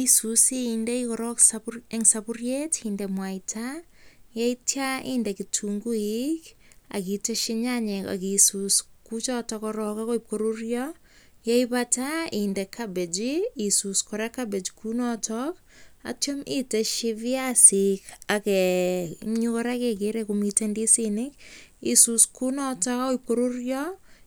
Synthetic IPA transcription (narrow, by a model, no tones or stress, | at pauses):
isusiindɛikɔɾɔksapeŋsapurjetindɛmwaitʰa | jaitjaiːndɛkitʰuŋɡuika̰kiteʃiɲaɲɛka̰kisuskut͡ʃɔtɔkɔɾɔkakoip̚koɾurjɔ | jaipataindɛkʰabed͡ʒiisuskɔɾakabed͡ʒkunɔtʰɔk | a̰tjomiteʃiviasikakɛ | ɲukɔɾakekeɾɛkumitendisinɪkisuskunɔtɔkakoip̚koɾurjɔ